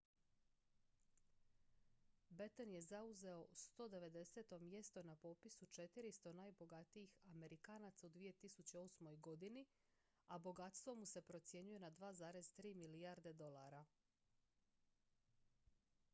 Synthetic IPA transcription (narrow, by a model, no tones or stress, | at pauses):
bet̪onje̞zauze̞o̞st̪o̞d̪e̞ʋe̞d̪e̞seːt̪o̞mje̞st̪onapo̞pisut͡ʃe̞t̪iɾist̪o̞naːjbo̞ɡat̪iixame̞ɾikaːnat̪saud̪ʋije̞t̪isut͡ɕeo̞smo̞jɡo̞d̪ini | abo̞ɡat̪st̪vʋo̞muse̞pɾo̞t̪sje̞ɲuje̞nad̪ʋaːzaːɾe̞zt̪ɾiːmiliaɾd̪e̞d̪o̞lˠaɾa